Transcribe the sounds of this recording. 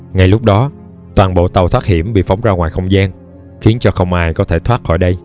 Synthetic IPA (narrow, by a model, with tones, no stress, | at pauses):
ŋa˧˩jlʊ˦˥k͡p̚ɗɔ˨˦ | t̪waː˨˩nɓo̰˧˨t̪ə˨˩wt̪ʰwaː˦˥t̚hi˧˩əmɓḭ˧˨fa˨˦wŋ͡mzaː˧ŋwaː˨˩jxə˧wŋ͡mzaː˧n | xi˨˦ənt͡ɕɔ˧xə˧wŋ͡mʔaː˧jkɔ˨˦t̪ʰe˧˩t̪ʰwaː˦˥t̚xɔ̰˧˩jɗə˧j